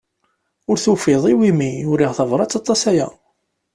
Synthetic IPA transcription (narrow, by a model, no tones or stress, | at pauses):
ʊɾθufɪðˤiwimijʊɾiʁθəvɾˤɑt͡sːɑt̪ˤːɑsæjæ̰